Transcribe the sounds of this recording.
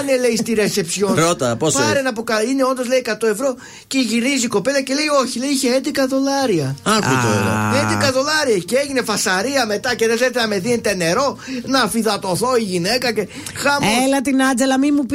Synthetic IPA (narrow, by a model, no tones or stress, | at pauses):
nele̞ist̪iɾe̞se̞psjonɾot̪ɐposfɐɾenɐpukɐineo̞nd̪o̞zle̞ikɐt̪o̞e̞vɾo̞ | ceʝiɾiziko̞pe̞lɐce̞le̞io̞çile̞iiçeed̪ikɐðo̞lɐɾiɐɐkut̪oḛlo̰ed̪ikɐðo̞lɐɾiɐceeʝine̞fɐsɐɾiɐme̞t̪ɐce̞ðeθeɾet̪enɐme̞ðinet̪ene̞ɾo̞nɐfiðɐt̪o̞θo̞iʝine̞kɐce̞ | xɐmelɐt̪inɐnd͡ʒe̞lɐmimup